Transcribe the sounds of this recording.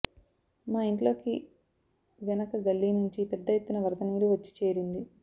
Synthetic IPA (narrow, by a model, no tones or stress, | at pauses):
maːiɳʈlo̞ːki | ʋɛnɐkɐɡɐlːiːnuɲt͡ʃipɛd̪ːɐjet̪ːunɐʋɐɾt̪ɐniːɾuʋɐt͡ʃːi̥t͡ʃe̞ːɾind̪i